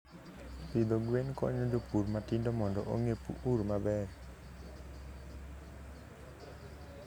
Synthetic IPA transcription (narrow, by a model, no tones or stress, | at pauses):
pid̪ɔɡuenkɔ̰ɲudəpurmat̪indɔmɔndɔʔoŋepṵʔurmabɛr